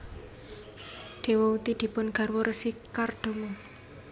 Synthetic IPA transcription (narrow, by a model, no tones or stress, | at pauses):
ɖ̪̥e̤wɔut̪id̪̥i̤pʊnɡ̥a̤rwoɾəsikarɖ̪̥o̤mo